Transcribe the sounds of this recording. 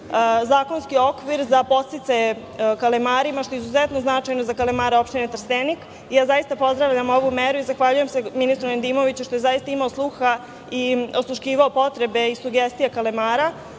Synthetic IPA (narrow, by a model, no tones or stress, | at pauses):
zaːko̞nskio̞kʋiɾzapo̞t̪sit̪saje | kalemaːɾimaʃt̪o̞izuzet̪no̞znat͡ʃajnozakalemaɾeo̞pʃt̪inet̪r̩st̪enik | ijaːzajist̪apo̞zd̪ɾaʋʎamo̞ʋumeɾuizaxʋaʎuje̞mse̞minist̪ɾoend̪iːmo̞ʋit͡ɕuʃt̪ojezajist̪aimaoslˠuxa | ioslˠuʃciːʋaopo̞t̪ɾe̞be̞isuɡest̪ijakalemaːɾa